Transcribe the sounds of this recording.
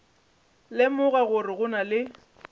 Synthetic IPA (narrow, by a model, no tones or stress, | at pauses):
lɪmʊɣaɣʊrɪɣʊnalɪ